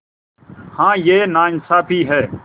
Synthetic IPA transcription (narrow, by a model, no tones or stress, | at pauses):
hãːjeːnaːnsaːpʰiːɦɛː